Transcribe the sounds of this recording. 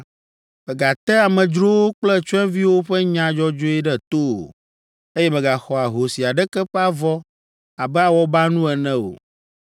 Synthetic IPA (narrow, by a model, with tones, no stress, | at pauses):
mɛ˨ɡa˨t̪ɛ˦a˨mɛ̃˨d͡ʒɾo˦wo˦k͡plɛ˦t͡ʃu˦ɛ̃˦vi˦wo˦ɸɛ˦ɲã˨d͡ʒɔ˦d͡ʒo˦ɛ˦ɖɛ˦t̪o̰˦˨ | e˦jɛ˦mɛ̃˨ɡa˨xɔ˨a˨ɦo˨si˨a˨ɖɛ˦kɛ˦ɸɛ˦a˦vɔ˦ | a˨bɛ˦a˨wɔ˦ba˦nũ˦ɛ˨nɛ̃˦o̰˨